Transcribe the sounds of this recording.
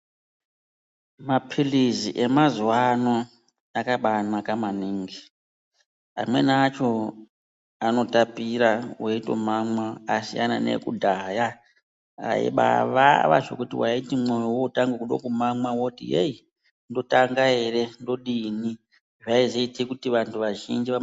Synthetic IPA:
mapʰiliziʔe̞mazuwano̞ | akaɓanakamaniːŋɡi | a̰mwe̞̰nːt͡ʃo̞ | ano̞tapiɾaweito̞̰mamwaasijana̰nḛkudʱaja | a̰ḛɓa̰ʋa̰ʋa̰ʐo̰kutiwaitimwojowoutaŋɡekuɗo̰kumamwawoutḭei | ndo̞taŋɡae̞re̞ndo̞ɗini | ʐaizeitikutiʋantʰuʋaʒind͡ʒia

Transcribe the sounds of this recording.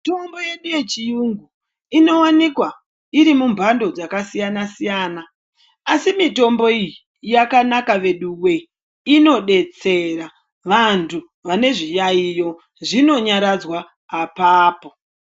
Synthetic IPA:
to̞mbo̞je̞ɗuje̞t͡ʃijuŋɡu | ino̞wanikwa | iɾimumbʱando̞d͡zakasijanasijaːna | asimito̞mbo̞iji | jakanakaʋe̞ɗuwwe | ino̞ɗe̞t͡se̞ɾa | ʋantʰu | ʋane̞ʐijaijo̞ | ʐino̞ɲaɾad͡zwaː | paːpo̞

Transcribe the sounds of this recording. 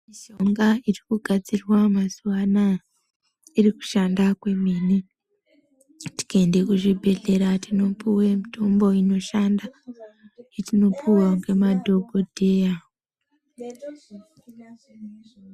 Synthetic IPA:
miʃo̞ŋɡairikuɡʱad͡zirwamazuʋana | iriku̥ʃandakwe̞miːni | ti̥kaende̞kuʐibʱe̞ɮe̞ɾatino̞puwemitʰo̞mbo̞ino̞ʃanda | etino̞pʰuwaŋɡe̞madʱo̞ɡʱo̞dʱe̞ːja

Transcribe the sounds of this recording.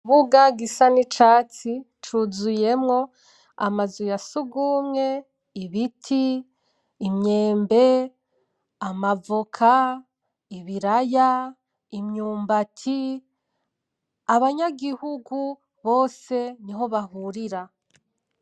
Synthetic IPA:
βuɡaɡisanit͡ʃaːt͡si | t͡ʃuzuje̞mŋo̞ | amazujasuɡuːmŋe̞ | iβitʰiː | mɲe̞ːmbe̞ | amavokʰa | iβiɾaja | imɲuːmbatʰi | aβaɲaɡihuɡu | βo̞ːse̞niɦo̞βahuɾiɾa

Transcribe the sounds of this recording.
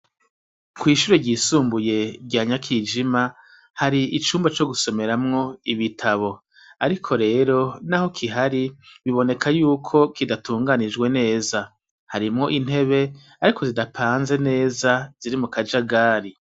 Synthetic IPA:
kwiːʃuɾe̞ɟiːsuːmbuje̞bɟaːɲakʰiːd͡ʒima | haɾiit͡ʃuːmbat͡ʃo̞ɡuso̞me̞ɾamŋo̞iβitʰaβo̞ | aɾikʰo̞ɾe̞ːɾo̞naho̞kʰiɦaɾiβiβo̞ne̞kʰajuːkʰo̞kidatuːŋɡanid͡ʒɡwe̞ne̞ːza | haɾimŋo̞ʔin̥he̞βe̞ | aɾiko̞zidapʰaːnze̞ne̞ːzaz̥iɾimukad͡ʒaɡaːɾi

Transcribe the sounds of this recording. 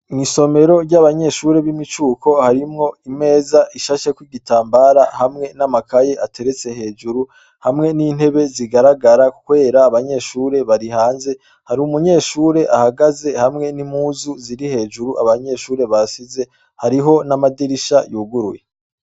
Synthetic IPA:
ŋiso̞me̞ɾo̞ɾɟaβaɲe̞ʃuːɾe̞βimit͡ʃuːkʰo̞haɾimŋo̞ime̞ːzaʔiʃaʃekwiɡitaːmbaɾahamŋe̞namakaje̞ʔatʰe̞ɾet͡se̞he̞ːd͡ʒuɾu | hamŋe̞niːn̥he̞βe̞ziɡaɾaɡaɾakukwe̞ːɾaːβaɲe̞ʃuːɾe̞βaɾihaːnze̞ | haɾiumuɲe̞ːʃuːɾe̞ʔahaɡaze̞hamŋe̞nimhuːzuziɾihe̞ːd͡ʒuɾuʔa̰βaɲe̞ʃuːɾe̞βasize̞ | haɾiɦo̞namadiɾiʃajuːɡuɾuje

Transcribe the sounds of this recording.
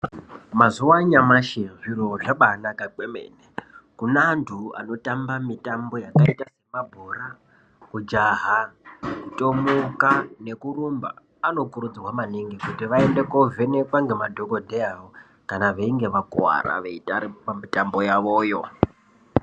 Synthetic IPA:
mazuwaɲamaʃeʐiroʐaɓanakakemḛːnekunaːntʰua̰no̞tambamitambo̞jakaitase̞mabʱura | kud͡ʒaɦa | tʼomukane̞kurumba̰ː | no̞kuɾud͡zrwamaniŋɡikutiʋae̞nde̞kove̞ne̞kwaŋɡemadʱo̞kodʱeawo | kanaʋeiŋɡe̞ʋakwa̰ɾa̰ʋeitaɾipamitambo̞jaʋo̞ːjo

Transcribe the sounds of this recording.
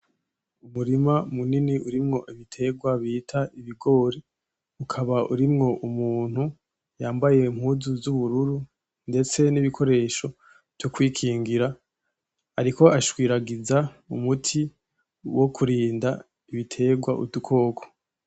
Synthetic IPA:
umuɾimamuniniuɾimŋo̞ʔiβitʰe̞ɡwaβiːtʰaiβiɡo̞ːɾi | ukʰaβaʔuɾimŋo̞ʔumuːn̥hu | jaːmbaje̞m̥huːzuzuβuɾuɾu | nde̞t͡se̞niβikʰo̞ɾe̞ʃo̞ | tokwiːkʰiːŋɡiɾa | aɾiko̞ʔaʃwiːɾaɡiza | ṵmutʰi | wʔo̞kʰuɾiːnda | iβitʰe̞ːɡwaʔṵdukʰo̞ːkʰo̥

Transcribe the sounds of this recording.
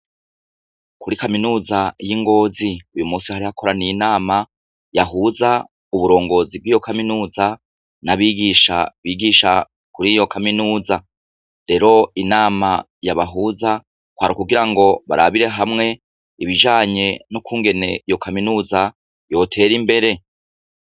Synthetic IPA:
kʰuɾikaminuːzajiŋɡo̞ːziujumuːsihaɾihakʰo̞ɾanijinaːma | jaɦuːza | uβuɾo̞ːŋɡo̞zib̚ɡiːjo̞kaminuːza | naβiːɡiʃa̰βiɡiʃa | kuɾijo̞kʰaminuːza | ɾe̞ɾo̞inaːma | jaβaɦuːza | kwaɾikuɡiɾaŋɡo̞βa̰ɾa̰βiɾe̞ɦamŋe̞ | iβiʒaːɲe̞nokuːŋɡe̞ne̞ijo̞kaminuːza | jo̞ːtʰe̞ːɾimbe̞ɾe̞

